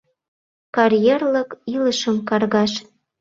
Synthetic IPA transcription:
kɑɾjerlə̆kiləʃə̆mkɑrɣɑʃ

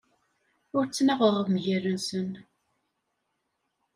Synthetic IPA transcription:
ʊɾt͡sːnæʁʊʁəvmʝərːənsən

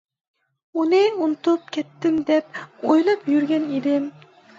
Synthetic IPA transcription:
unɪunt̪ʊp̚kʲʰɛt̪ːɪmd̪ɛp̚ojlˠɑpjyɾɡʲɛned̪ɪm

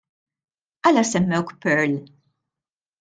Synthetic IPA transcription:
ʔɐlɐsɛmːɛwkpɛɾl

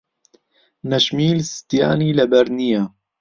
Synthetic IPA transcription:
nɛʃmiːlst̪ja̰ːniːlɛbɛɾnija

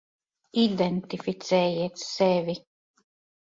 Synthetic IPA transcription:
id̪ɛnt̪ifit̪sɛːjiɛt̪sɛvʲi

